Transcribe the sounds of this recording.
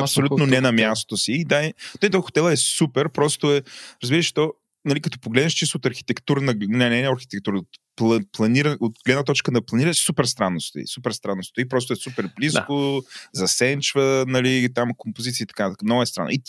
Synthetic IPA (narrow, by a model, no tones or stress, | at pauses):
ɐpsolut̪nonɛnɐmʲjast̪osiːd̪aɛt̪ɔit̪ɔxo̥t̪ɛlˠəɛsupɛɾpɾɔst̪oɛɾɐzbiɾəʃɛ̥t̪ɔ | nɐlikɐt̪ɔ̥poɡlɛd̪nɐʃt͡ʃist̪oːt̪ɐɾxi̥t̪ɛkt̪uɾənɐɡnɛnɛnɐɾxit̪ɛkt̪uɾəot̪plˠɐplˠɐniɾəot̪ɡlɛd̪nət̪ɔt͡ʃkənɐplˠɐniɾəsupɛɾst̪ɾanːosi̥t̪o̰ḭsupɛɾst̪ɾanːosi̥t̪ipɾɔst̪ʊɛsupɛɾbliskozɐsɛnt͡ʃvənɐlit̪amkompozit̪siit̪ɐkanɐt̪akmnɔɡɛst̪ɾanːʔit̪